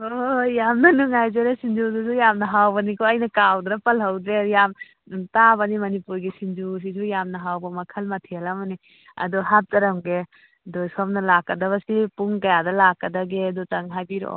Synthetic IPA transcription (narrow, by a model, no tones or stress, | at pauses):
ojamnɐnuŋajzeɾesind͡ʒuzuzujamnɐɦawbɐnikʰɔɐjnɐkawdɾɐpɐlɦɐwdɾejam | tabɐnimɐnipuɾɡisind͡ʒus̬izujamnɐɦawbɐmɐkʰɐlmɐtʰialamɐni | ɐ̰dɔɦap̚tɐɾɐmɡe | dɔjsɔm̚nɐlakːɐdɐβɐsipuŋkɐjadɐlakːɐdɐɡedutɐŋɦajbiɾo̰